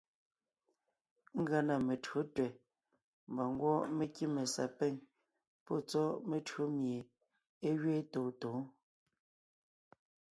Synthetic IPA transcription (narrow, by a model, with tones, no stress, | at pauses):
ŋ̩˦ɡa˨na˨me˨to˦twɛ˨ | m̩˨bɔ˨ŋ˦ɡwɔ˦me˨ki˦me˨sa̰˨pɛ˦˨ɲ | pɔ˦˨t͡sɔ˦me˨tɰo˦mje˨ | e˦ɥe˦toː˨to˨˦